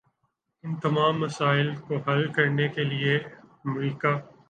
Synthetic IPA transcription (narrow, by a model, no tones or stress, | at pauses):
ɪnt̪ɐmaːmːɐsaːɪlkoɦɐlkɐɾnekelieɐmɾiːkaː